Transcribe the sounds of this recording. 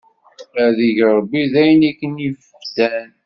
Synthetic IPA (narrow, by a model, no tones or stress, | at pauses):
æðiʝɾˤbːiðæjnækːənifəfsæn